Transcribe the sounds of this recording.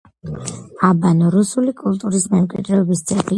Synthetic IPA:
abanɔɾusulikʼulˠt̪ʼuɾismɛmkʼwḭd̪ɾɛɔbist̪sʼɛb̪i

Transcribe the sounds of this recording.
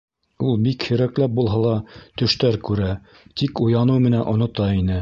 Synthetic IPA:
ulˠbikhɵ̆ɾæklæp̚bulˠɦɑlˠɑt̪ɵ̆ʃt̪æɾkʉɾæ | t̪ikŏjɑnɤwmɘ̆nænʔŏnŏt̪ɑinɘ

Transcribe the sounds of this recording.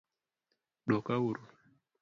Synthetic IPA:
ɗɔkawuɾu

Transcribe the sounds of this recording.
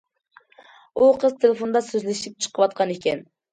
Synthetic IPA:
uqʰəzt̪ʰelefond̪ɑsøzlɪʃip̚t͡ʃʰə̥qʰəwɑt̪̚qʰɑnekʲɛn

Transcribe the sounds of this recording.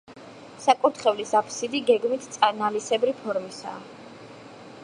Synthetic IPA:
sakʼuɾt̪ʰχɛvlisapʰsid̪iɡɛɡmit̪ʰt̪sʼanalisɛbɾipʰɔɾmisa̰ː

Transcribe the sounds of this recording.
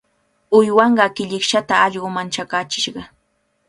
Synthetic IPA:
ʊjwɑɴɢɑkɪʎɪkʃat̪aɑʎɢʊmant͡ʃakaːt͡ʃɪʃɢɑ

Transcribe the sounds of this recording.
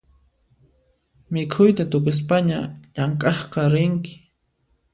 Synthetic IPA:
mɪkʰʊjt̪at̪ʊkʊs̬paɲaʎaŋkʼɑχqɑɾɪŋkɪ̥

